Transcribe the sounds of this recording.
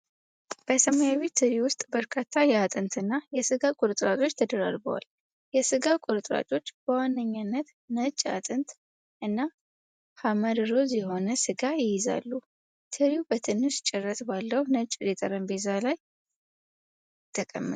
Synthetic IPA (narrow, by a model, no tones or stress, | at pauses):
b̥əsəmojaβet̪ʰɨɾiwʊst̪ʼbəɾkʰat̪ʰːajɛat̪ʼɨnt̪ʰɨnːajɛsɨɡakʼʊɾɨt̪ʼɾat͡ʃʼo̞t͡ʃːt̪ʰəd̪əɾa̰ɾbə̰wa̰l | jɛsɨɡakʷʼʊɾɨt̪ʼɾa̰t͡ʃʼo̞t͡ʃːb̥əwanːəɲːanːət̪ | nət͡ʃʼːa̰t̪ʼɨnt̪ | ʔɨnːa | haməɾɾo̞zjɛho̞nəsɨɡajɪjɪza̰lːu | t̪ʰɨɾiubət̪ʰɨnːɨʃt͡ʃʼɛrːət̪balːəwnət͡ʃʼɾet̪ʼəɾənbezalaj | t̪ʰːəkʼə̰mːɨ